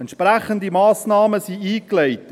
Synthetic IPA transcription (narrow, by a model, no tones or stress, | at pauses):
ɛntʃpɾæχəndimɑːsnɑːməsiiːklɛɪt